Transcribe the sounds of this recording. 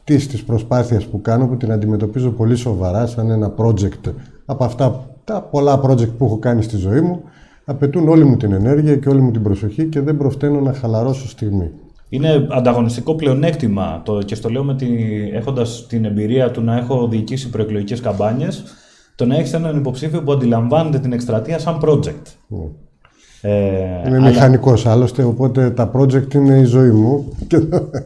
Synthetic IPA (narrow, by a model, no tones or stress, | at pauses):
t̪ist̪ispɾo̞spɐθiɐspukɐno̞put̪inɐnd̪ime̞t̪o̞pizo̞po̞liso̞vɐɾɐsɐne̞nɐpɾo̞d͡ʒe̞kt̪ɐpoɐft̪ɐt̪ɐpo̞lɐpɾo̞d͡ʒek̚t̪̚puexo̞kɐnist̪izo̞imu | ɐpe̞t̪uno̞limut̪ine̞ne̞ɾʝiɐce̞o̞limut̪̬ibɾo̞so̞çice̞ðe̞mbɾo̞ft̪e̞no̞nɐxɐlɐɾo̞sost̪iɣmi | ine̞ɐnd̪ɐɣo̞nist̪iko̞ple̞o̞ne̞kt̪imɐ̰t̪oce̞st̪o̞le̞omet̪iḛxo̞nd̪ɐst̪ine̞mbiɾiɐt̪unɐe̞xo̞ðiːcisipɾo̞eklo̞ʝice̞skɐmbɐɲe̞s | t̪o̞nɐeçist̪enɐnipo̞psifio̞puɐnd̪ilɐɱvɐne̞t̪e̞t̪ine̞kst̪ɾɐt̪iɐsɐmpɾo̞d͡ze̞kt̪ | einemixɐniko̞sɐlo̞st̪e̞o̞po̞t̪e̞t̪ɐpɾo̞d͡ze̞kt̪ine̞izo̞imuceo